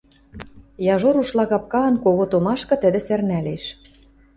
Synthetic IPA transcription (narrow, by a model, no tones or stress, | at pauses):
jɑʒoɾuʃlɑɣɑp̚kɑːnkoɣot̪omɑʃkɤ̆t̪ə̆d̪ĕsernæleʃ